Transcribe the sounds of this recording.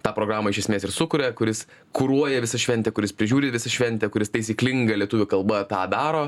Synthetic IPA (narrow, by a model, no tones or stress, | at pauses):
t̪ɑːpɾoːɡɾɑːmɐɪʃʲɛsʲmʲeːsɪɾsʊkʊɾʲɛkʊɾʲɪs | kʊɾuɔjɛʋʲɪsɐʃʲʋʲɛnʲt̪ʲɛkʊɾʲɪspʲɾʲɪʒʲuːɾʲeːʋʲɪsɐʃʲʋʲɛnʲt̪ʲɛkʊɾʲɪst̪ɐɪsʲiːklʲɪŋɡɐlʲiɛt̪ʊʋʲʊkɐlˠbɐt̪ɑːd̪ɑːɾoː